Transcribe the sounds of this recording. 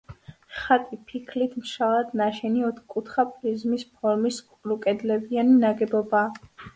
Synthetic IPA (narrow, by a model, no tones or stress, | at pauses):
χat̪ʼipʰikʰlit̪ʰmʃalˠad̪̥naʃɛniɔt̪ʰkʼut̪ʰχapʼlizmispʰɔɾmiskʼɾukʼɛd̪lɛbianinaɡɛbɔbaː